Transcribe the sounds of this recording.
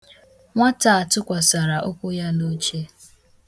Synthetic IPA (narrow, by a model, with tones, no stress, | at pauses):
ŋʷa˦ta˨a˨tʊ˦kʷa˨sa˨ɾa˨ʔo˦kʷʊ˦ja˦no˦t͡ʃe˦